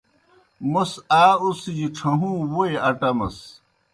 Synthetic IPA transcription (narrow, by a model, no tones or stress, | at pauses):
mɐsaːusd͡ʑiʈ͡ʂʰɐɦũːwoeɐʈɐmɐ̰s